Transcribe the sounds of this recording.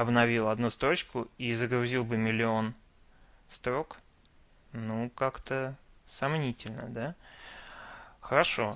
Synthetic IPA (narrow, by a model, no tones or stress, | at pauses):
ɐbnɐvʲilˠɐd̪nust̪ɾo̞t͡ɕkʊizəɡɾʊzʲilˠbɨmʲɪlʲɪo̞n | st̪ɾo̞k | nukakt̪əsɐmnʲitʲɪlʲnə̰d̪a | xəɾɐʂo̞